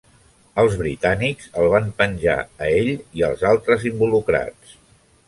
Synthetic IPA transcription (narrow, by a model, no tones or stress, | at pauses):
əlˠzβɾit̪anikzəlˠβ̞ampənʲʒa̰əeʎiəlˠzalˠt̪ɾəzimbulukɾa̰t͡s